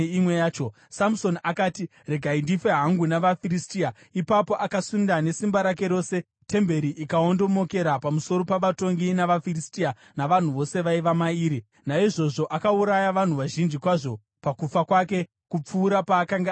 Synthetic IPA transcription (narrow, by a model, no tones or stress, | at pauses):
imwejaːt͡ʃo | samso̞nakaːti | re̞ɡʱaindifeɦaŋɡunaʋafiɾistia | ipapo̞ʔakasundane̞simbaɾake̞ɾo̞ːse̞ | te̞mbe̞ɾiʔikao̞ndo̞mo̞ke̞ɾapamuso̞ɾo̞paʋato̞ŋɡinaʋafiristia | naʋan̤uʋo̞se̞ʋaiʋamaiːɾi | naiʐo̞ʐo̞ʔakauɾajaʋan̤uʋaʒind͡ʒikwaʐo̞ | pakufakwake̞ | kup͡fuːɾapaːkaŋɡe